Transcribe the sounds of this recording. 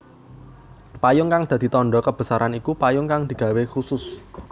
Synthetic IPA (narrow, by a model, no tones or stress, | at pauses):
pajʊŋkaŋd̪̥a̤d̪̥i̤t̪ɔɳɖɔkəb̥ə̤saɾʔanikupajʊŋkaŋd̪̥i̤ɡ̥a̤wexusʊs